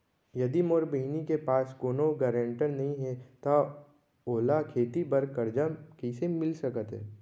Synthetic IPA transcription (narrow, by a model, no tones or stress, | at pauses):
jɐd̪imoːɾbəɦinikepaːsɡoːnoɡɛːɾə̃ɳʈəɾnɐɦĩɦɛt̪a | oːlakʰeːt̪ibəɾkəɾd͡ʒakisemɪlsɐkət̪ɦɛ̰ː